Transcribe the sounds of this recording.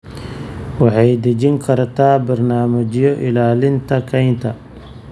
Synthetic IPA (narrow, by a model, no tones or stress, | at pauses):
wɑħɑjd̪ɐt͡ʃɪŋkʰɐrt̪ʰaːbɐrnaːmɐt͡ʃjɔʔɪlaːlɪnt̪ʰɐkʰɐjnt̪ʰɐ